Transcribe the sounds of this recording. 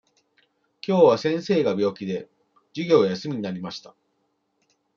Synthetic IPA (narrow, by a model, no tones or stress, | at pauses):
kʲo̞ːβasẽ̞ɰ̃se̞ːɡabʲo̞ːkʲid̪e̞ | d͡ʑiɡʲo̞ːjasɨmʲiɲ̟inaɾʲimaɕi̥t̪a